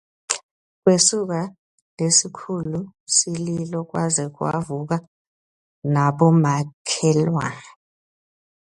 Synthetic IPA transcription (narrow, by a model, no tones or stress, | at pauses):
k̬wesuk̬a | lesikʰulusililɔk̬wazɛk̬wa̰vuk̬a | naɓɔmakʰɛlwa̰